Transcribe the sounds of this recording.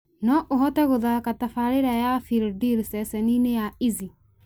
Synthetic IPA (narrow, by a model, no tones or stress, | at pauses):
nɔʔoɦɔtɛɣoðakatafaɾeɾajafildiɾsɛsɛninejaizi